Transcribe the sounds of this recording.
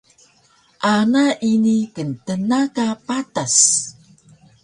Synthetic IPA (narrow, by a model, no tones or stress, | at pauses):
ʔanaʔinikəntənakapatas